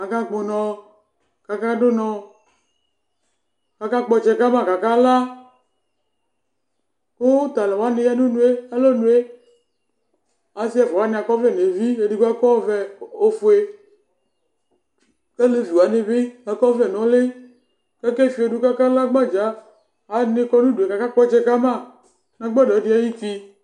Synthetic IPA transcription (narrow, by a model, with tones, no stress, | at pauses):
a˨ka˦ɡ͡bo˨nɔ̃˨ | ka˨ka˦ɖo˦nɔ̃˨ | ka˨ka˦k͡pɔ˨d͡ʒɛ˨ka˦ba˦˨ka˨ka˦la˦ | ko˦wo˦t̪a˨le˨wa˦ne˨ja˦do˦nũ˦e˦a˦lo˦nũ˦e˦ | ã˨si˦a˨vɔ˨wa˨˦nẽ˨a˨kɔ˦vɛ˦˨ne˨vi˦e˨di˦ka˦kɔ˦vɛ˦o˦fo˨e˨ | ke˦le˦vi˨wa˨ne˨ve˦a˨kɔ˦vɛ˨nɔ̃˨le˦ | kɛ˦ke˦˨fi˨e˨ɖu˦ka˦ka˦la˦ɡ͡ba˦d͡ʒaː˨ | nẽ˦kɔ˦nũ˦du˨e˨ka˨ka˦k͡pɔ˦t͡ʃɛ˦ka˦ma˦ | nã˦ɡ͡bɔ˦dɔ˨˦di˦a˦ji˦fi˦